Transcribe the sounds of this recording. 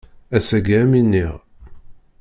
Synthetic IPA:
æsæɡiæminːiʁ

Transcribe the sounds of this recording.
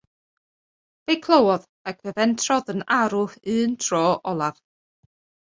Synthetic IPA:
v̥ejkʰlˠəwɔð | akʰvɛvɛntʰrɔðənaɾʊɨːntʰrɔːʔɔlˠav̥

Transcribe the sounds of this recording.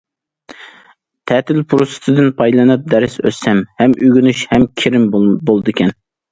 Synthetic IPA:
t̪ʰɛt̪ʰɪlpʰuɾusɨ̥t̪ʰɨd̪ɨnpʰɑjlˠɨnɨp̚d̪æɾɪsø̰sɛmhɛmʔyɡʲynyʃhɛmkʲʰɪɾɪmbolˠɨd̪ɨkʲɛn

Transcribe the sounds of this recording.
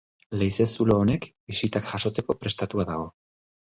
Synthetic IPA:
le̞jse̞suloːne̞k | isit̪akʝaʃo̞t͡se̞ko̞pɾe̞st̪at̪uaðaɣo̞

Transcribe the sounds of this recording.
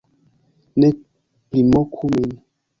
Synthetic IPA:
nɛ | plimɔkʰumin

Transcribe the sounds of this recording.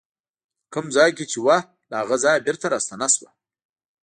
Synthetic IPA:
kəmzɑjket͡ʃewa | lahaɣazɑjbɪɾt̪aɾɑst̪anaswa̰

